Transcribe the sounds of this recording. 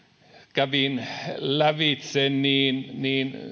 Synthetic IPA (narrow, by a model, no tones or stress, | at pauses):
kæʋinlæʋit̪senniːnniːn